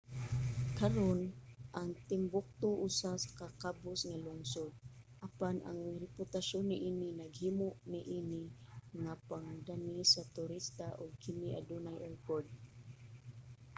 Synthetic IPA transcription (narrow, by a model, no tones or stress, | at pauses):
kɐɾonʔaŋt̪ɪmbʊk̚t̪ʊʔʊsasḁkakabʊsŋalʊŋsod̪̚ʔɐpanʔa̰ŋɾɛpʊt̪aʃonːɪʔiːnɪnɐɡhimʊʔnɪʔiːnɪŋapaŋd̪anisat̪ʊɾist̪aʔʊɡ̚kɪniʔa̰d̪unajʔɛɹkoɹd̪̚